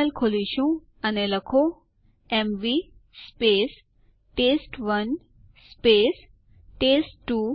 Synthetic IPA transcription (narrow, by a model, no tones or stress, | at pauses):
alkʰoliɕũ | ɐnelɐkʰo | emʋi | speːs | ʈeːsʈʋɐn | speːs | ʈeːsʈʈːuː